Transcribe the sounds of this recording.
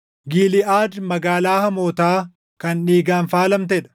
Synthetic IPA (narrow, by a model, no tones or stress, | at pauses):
ɡiːlɪʔaːdmɐɡaːlaːhɐmo̞ːt̪aː | kɐnᶑiːɡaːnfaːlɐmt̪ɛᶑɐ̥